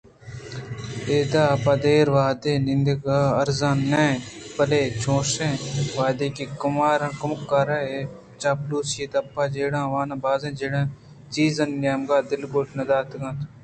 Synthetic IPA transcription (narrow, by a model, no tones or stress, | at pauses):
eːd̪aːpaːd̪eːɾʋaːd̪eːnĩnd̪eɡaːɐɾzãːnːẽːpəleːt͡ʃʰõːsẽːʋaːd̪eːkiːkʊmaːɾãːkʊmʊkːaːɾae | t͡ʃaːpluːseːt̪ɐpːaːd͡ʒeːɽãːʋaːnãːbaːzẽːd͡ʒeːɽãː | t͡ʃiːzɐnjaːmɡaːd̪ɪlɡoːʈnɐd̪aːt̪ɡãːt̪ː